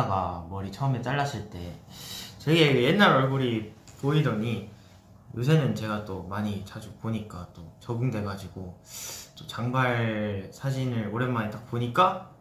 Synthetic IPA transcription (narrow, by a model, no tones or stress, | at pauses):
ɡamʌɾit͡ɕʰʌɯme̞t͈aɭːaɕ͈ʰiɭt͈e̞ | t͡ɕe̞ɡe̞jenːaɾʌɭɡoɾipoidʌɲi | jʔos̬ʰe̞nɯnt͡ɕe̞ɡat͈omaɲit͡ɕad͡ʑupoɲik͈at͈ot͡ɕʌɡɯŋdwe̞ɡad͡ʑiɡot͈ot͡ɕaŋbaɭsʰad͡ʑinɯɾoɾe̞nmanet͈ak̚poɲik͈a